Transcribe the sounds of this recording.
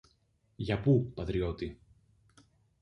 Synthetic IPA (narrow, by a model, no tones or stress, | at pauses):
ʝɐpupɐt̪ɾio̞t̪i